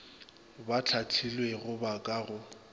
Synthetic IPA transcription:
bat͡ɬʰat͡ɬʰilweɣʊbakʼaɣʊ

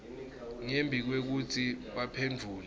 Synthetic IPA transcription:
ŋembʱik̬wek̬utʰiɓapʰend͡vʱuːlɛ

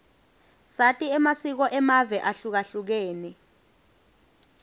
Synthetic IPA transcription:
satʼiɛmasik̬ɔʔɛmavɛʔaɬuk̬aɬuk̬eːnɛ

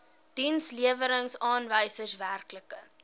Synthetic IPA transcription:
d̥insliəvəɾəŋsɑːnvəjsəsværkləkə

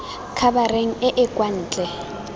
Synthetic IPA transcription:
kʰabareŋ̩ɪʔɪkʼwan̩ːt͡ɬʼɛ

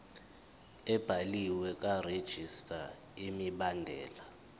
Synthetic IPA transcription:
ɛb̥ʱaliwɛk̬ʼared̥ʒ̥ʱistʼa | imiɓandʱɛ̰ːla

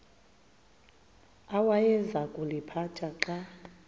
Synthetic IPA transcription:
awajɛzakʼulipʰat͡ʃʰʼaǁa

